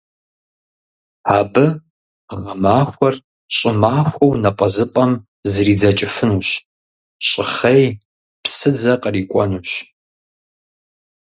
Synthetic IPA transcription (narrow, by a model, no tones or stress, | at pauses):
aːbɨ | ʁɐmaːxʷɔr | ɕʼɪmaːxʷɐwnɐpʼɐzɨpʼɐm | zriːd͡zɐt͡ʃʼɪfɨnuːɕ | ɕʼɪχɐj | psɨd͡zɐqʼəriːkʷʼɔnuːɕ